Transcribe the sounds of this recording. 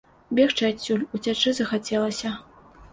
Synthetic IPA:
bʲɛxt͡ʂɨat͡sʲːulʲut͡sʲat͡ʂɨzɐxat͡sʲɛlˠɐsʲɐ

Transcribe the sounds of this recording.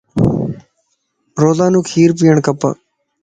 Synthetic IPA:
ɾoːzaːnũːkʰiːɾp̬ijəɳkəpə̰

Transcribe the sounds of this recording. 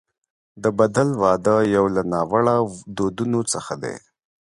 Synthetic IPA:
d̪əbad̪alwɑd̪əjawlanɑwaɽad̪od̪unot͡səxad̪ḛ

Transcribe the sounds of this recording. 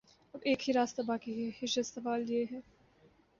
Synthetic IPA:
ɐbeːkhiɾaːst̪abaːkihɪʃɐsɐʋaːljeɦɛː

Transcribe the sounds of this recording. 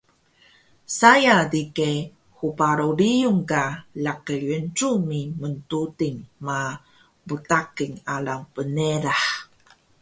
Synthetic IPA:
sajadike | hupaɾuɾijuŋkalakəɭənʈ͡ʂumiməntutiŋma | butakiŋaɭaŋpəneɾaħ

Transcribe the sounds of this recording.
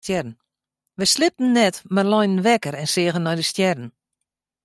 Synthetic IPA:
ɛrn̩ | ʋəjslɪp̚tn̩nɛtmarlɔjnən̩ʋɛkəɾɛnsɪəɣənːɔjdəstjɛrn̩

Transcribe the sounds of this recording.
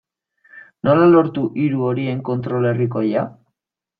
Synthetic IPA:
no̞lalo̞ɾt̪uʔiɾuo̞ɾie̞ŋko̞nt̪ɾo̞le̞riko̞ja

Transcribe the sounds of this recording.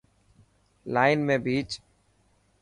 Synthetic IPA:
laːɪnmẽbiːt͡ʃ

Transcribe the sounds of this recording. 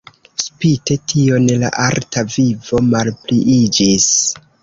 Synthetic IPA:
spite̞tʰio̞nela̰ʔaltavivomalpliʔid͡ʒis

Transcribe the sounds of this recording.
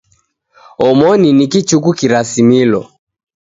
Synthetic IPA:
ɔmɔninikit͡ʃukukiɾasimilɔ̰

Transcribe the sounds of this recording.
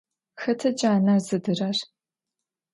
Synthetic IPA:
xɐtʰɐt͡ʃʼaːnarzɨdɨrɐr

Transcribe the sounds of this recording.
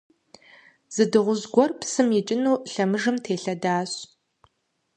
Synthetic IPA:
z̥ɨdɨʁʷʊzɡʷɔrpsɨmjɪt͡ʃʼɪnuːɬɐmɨʒɨmtʰeːɬɐdaːɕ

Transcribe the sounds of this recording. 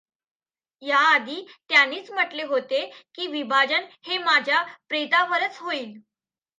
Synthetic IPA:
jaːd̪ʱiːt̪janiːt͡sm̤əʈleɦot̪ekiːʋibʱad͡ʑənhemad͡ʑʱjapɾet̪aʋəɾət͡sɦoiːl

